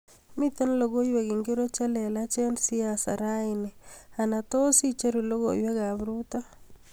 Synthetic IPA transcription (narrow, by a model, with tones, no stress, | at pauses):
mɪ˦t̪a˦nlo˨ɡo˦jwe˨ɡi˨ŋɡe˦ɾo˦t͡ʃa˦lɛ˨lat͡ʃɛ˦ndsi˦asa̰˨ɾaɪnɛ˨a˨na˨to˦si˦t͡ʃe˦ɾu˨lo˦ɡojwe˦ɡaβɾuta˦